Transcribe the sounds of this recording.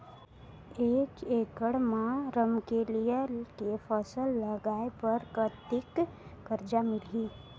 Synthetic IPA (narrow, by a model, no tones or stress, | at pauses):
eːt͡ʃeːkəɽmãɾəmkelijekepʰəsəlːəɡaːepəɾkət̪ɪkːəɾd͡ʒamɪliː